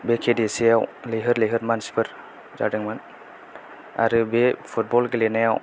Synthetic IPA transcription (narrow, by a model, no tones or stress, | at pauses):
bekʰedesijawleɦɯɾleɦɯɾmansi̥pʰɯɾ | d͡ʒa̰dɯŋman | a̰ɾɯbepʰut̚bɔlɡelenajaw